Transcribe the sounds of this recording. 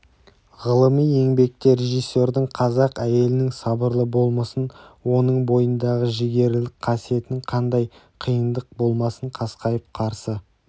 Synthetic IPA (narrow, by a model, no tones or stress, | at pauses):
ʁəlˠəmije̞ŋbe̞k̚t̪eɾe̞ʒijsːe̞ɾd̪əɴqʰɑzɑqæje̞lɪnɪŋsɑbəɾlˠəbolˠməsənwo̞nəɴbo̞jənd̪ɑʁəʒɪɡʲe̞ɾlɪk̚qʰɑsije̞t̪ɪnɪŋqʰɑnd̪ɑj | qʰijənd̪əq̚bo̞lˠmɑsəɴqʰɑsqɑjəp̚qʰɑɾsə